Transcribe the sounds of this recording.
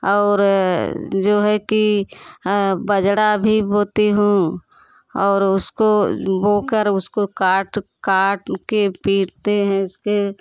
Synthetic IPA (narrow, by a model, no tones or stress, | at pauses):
ɔːɾ | d͡ʒoːɦɛki | bəd͡ʒɽabʱiboːt̪iɦũ | ɔːɾʊskoboːkəɾʊskokaːʈkaːʈkepiːʈt̪eɦɛ̃ɪske